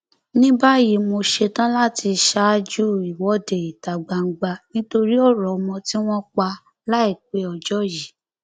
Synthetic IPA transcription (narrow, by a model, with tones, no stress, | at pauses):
nĩ˦ba˦ji˨˦mo˧ʃe˧tã˦la˦ti˧ʃa˦d͡ʒu˦i˨wɔ˨˦de˨i˨ta˨ɡ͡ba˨ŋ̩˦ɡ͡ba˧nĩ˦to˧ɾi˦ɔ˦˨ɾɔ˨˧mɔ̃˧ti˦w̃ɔ̃˦k͡pa˧ | la˦i˦˨k͡pe˨˦ɔ˧d͡ʒɔ˦ji˨˦